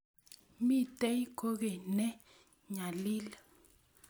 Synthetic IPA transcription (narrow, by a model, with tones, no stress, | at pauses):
mi˦˨tɛ˦i˦kʰo˦ɣɛ˨nɛ˦ | ɲa˨liː˦la˨